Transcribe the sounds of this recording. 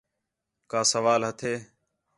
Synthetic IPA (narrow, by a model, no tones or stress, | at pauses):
kaːsəʋaːlɦət̪ʰeː